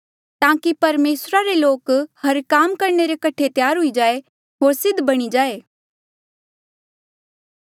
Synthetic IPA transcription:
t̪ãːkipɐɾmeːsɾaɾeloːkhɐɾkaːmkɐɾɳeɾekɐʈʰet̪jaːɾɦʊid͡ʒaːe | ɦoːɾsɪd̪ʱbɐɽ̃id͡ʒaːeː

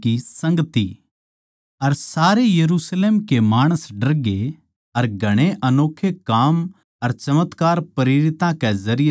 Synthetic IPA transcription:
isɐ̃ŋɡət̪i | ɐɾsaːɾejɐɾuːsleːmkemaːɽ̃əsɖɐɾɡe | ɐɾɡʱɐɽ̃eʔɐnoːkʰːekaːm | ɐɾt͡ʃɐmət̪kaːɾpɐɾeːɾɪt̪ãkɛzɐɾɪje

